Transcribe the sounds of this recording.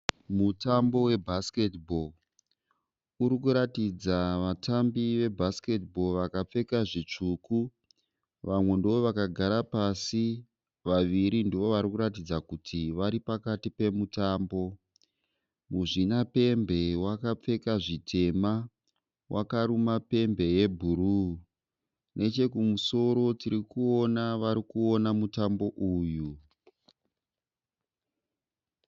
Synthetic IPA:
mutambo̞we̞bʱaske̞tbʱo̞ | uɾikuɾatid͡zaʋatambiʋe̞bʱaske̞tbo̞ʋakap͡fe̞kaʐit͡ʂuku | ʋamwe̞ndowoʋakaɡʱaɾapasi | ʋaʋiɾindiʋo̞ʋaɾikuɾat̬id͡zakutʰiʋaɾipakatipe̞mutaːmbo̞ | muʐinape̞mbe̞wakap͡fe̞kaʐitʰe̞ma | wʔakaɾumape̞mbe̞je̞bʱuɾu | nʔe̞t͡ʃe̞kumuso̞ɾo̞tiɾikuo̞naʋaɾikuo̞namutambo̞ʔuːju

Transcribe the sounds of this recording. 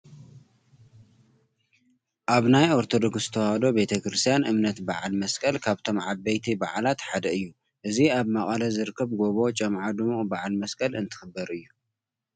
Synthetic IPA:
ʔaβnajoɾt̪ʰo̞d̪o̞ksz̥ɨt̪ʰɐwhad̪o̞be̞t̪ʰɐkɾɨst̪ʰjanɨmnɐt̪baʕalmɐskʼɐlkʰaβt̪ʰo̞mʕabːɐjt̪ʰibaʕlat̪ħad̪ɐɨjːu | ʔɨziaβmaχʼɐlɐzɨɾkʰːɐβɡoβo̞t͡ʃʼɐmʕad̪ɨmuʔʼbaʕalmɐskʼɐlɨnt̪ʰɨ̥xɨbːɐɾɨjːu

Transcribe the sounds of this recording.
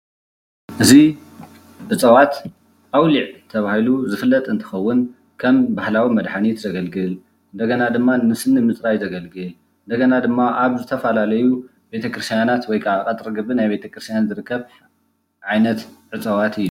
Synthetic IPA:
ʔɨzi | ʕɨt͡sʼɐwat̪ | ʔawliʕt̪ʰɐβahiluzɨfɨlːɐt̪ʼɨnt̪ʰɨ̥xɐwːʊn | kʰɐmbahlawimɐd̪ħanit̪zɐɡɐlɡɨl | ʔɨnd̪ɐɡɐnad̪ɨmːanɨsɨnɨmɨt͡sʼɾajzɐɡɐlɡɨle | ɨnd̪ɐɡɐnad̪ɨmːaʔaβzɨt̪ʰɐfɐlalɐju | be̞t̪ʰɐkɾɨst̪ijanat̪wɔjkʰaβakʼɐt̪ʼɾɨɡɨβɨnajbe̞t̪ʰɐkɾɨst̪janzɨɾɨkːɐβ | ʕajnɐt̪ʕɨt͡sʼɐwat̪ɨjːu

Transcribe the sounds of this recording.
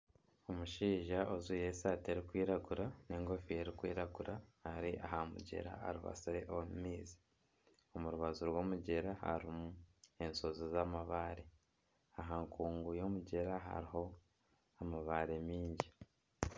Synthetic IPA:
omuʃiːʒaʔozuje̞sateɾikwiːɾaɡuɾaneːŋɡo̞fije̞ɾikwḭːɾaɡuɾahaɾiʔaɦamṵɟe̞̰ɾa̰a̰ɾuβa̰soɾeʔomumiːzi̥ | omuɾuβazuɾwoːmuɟe̞ɾaha̰ɾimue̞nso̞zozamaβaːɾe | aɦaŋkuːŋɡujo̞muɟe̞ɾaɦa̰ɾiɦo̞ | amaβaːɾe̞miːɲɟi

